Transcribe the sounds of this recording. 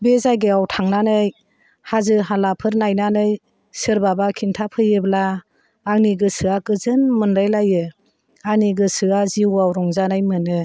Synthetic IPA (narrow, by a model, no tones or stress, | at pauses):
bezajɡeawtʰaŋnanɯj | hazɯɦalapʰɯɾnajnanɯj | sɯɾbabakʰintʰapʰɯjɯblaː | ŋniɡɯsɯakɯzɯnmɯnɾajlajɯ | aniɡɯsɯaziwawɾɔŋzanajmɯnɯ